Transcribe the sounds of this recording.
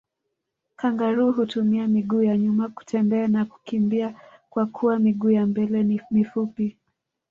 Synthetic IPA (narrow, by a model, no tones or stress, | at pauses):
kaŋɡaɾuɦutumiamiɠuːjaɲumaku̥tʰɛmbɛanaku̥kimbiakwakʰuwamiɠuːjambɛlɛmifupi